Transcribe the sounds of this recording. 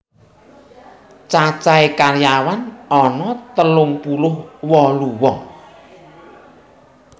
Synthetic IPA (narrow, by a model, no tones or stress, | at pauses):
t͡ʃat͡ʃaekarjawanɔnɔt̪əlʊŋpulʊhwɔluwɔŋ